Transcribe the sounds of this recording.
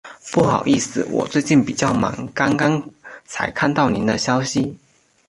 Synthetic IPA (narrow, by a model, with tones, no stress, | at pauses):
pu˥˩xɑ̰˨˩ʊi˥˩sɹ̩˨˩wɔ̰˨˩t͡swe˥˧ɪt͡ɕi˥˩npi˨˩t͡ɕjɑ˥˩ʊmɑ̰˧˥ŋkɑ˥ŋkɑ˥ŋt͡sʰa̰˧˥ɪkʰa˥˧nt̪ɑ˥˩ʊni˧˥nd̪ə˧ɕjɑ˥ʊɕi˨